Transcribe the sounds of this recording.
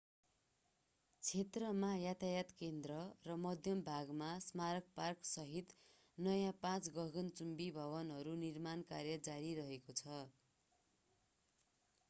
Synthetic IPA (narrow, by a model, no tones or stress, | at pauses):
t͡sʰet̪rʌmajat̪ʰajat̪kend̪rʌrʌmʌd̪ʱjʌmbʱaɡmasmaɾʌk̚parksʌɦit̪ | nʌjãpãt͡sɡʌɡʌnt͡sumbibʱʌbʌnɦʌɾunirmankarjʌd͡zaɾiɾʌɦekot͡sʰʌ